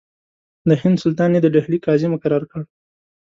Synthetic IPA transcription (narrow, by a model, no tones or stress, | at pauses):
d̪əhɪnd̪sʊlt̪ɑned̪əɖahlikɑzɪmkaɾɑɾkəɽ